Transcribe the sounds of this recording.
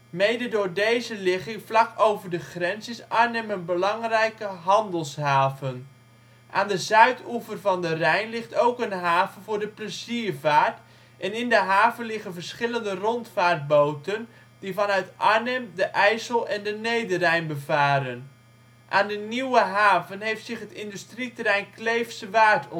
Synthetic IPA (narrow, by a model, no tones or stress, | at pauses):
mejdədʊːɹdejzəlɪχɪŋvlɑkowvəɹdəχrɛnsɪsaɹnɛmənbəlɑŋrɛjkəɦɑndəlˠsɦaːvən | ʔaːndəzœɥtuvərvɑndərɛjnlɪχtowkənɦaːvənvʊːɹdəprəziːɹvaːɹt | ʔɛnɪndəɦaːvənlɪχənvəɹsχɪləndərɔntfaːɹt̚bowtən | divɑnœɥtʔaɹnɛmdəʔɛjsəlˠʔɛndənejdərɛjnbəvaːɾən | ʔaːndəniwəɦaːvənɦejftsɪχɦətɪndystritəɾɛjnklejfsəʋaːtʰɔ